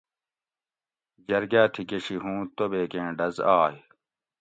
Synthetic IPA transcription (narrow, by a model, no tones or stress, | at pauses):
d͡ʑɐɾɡaːt̪ʰiɡeɕiɦũːt̪obeːkẽːɖɐzaːj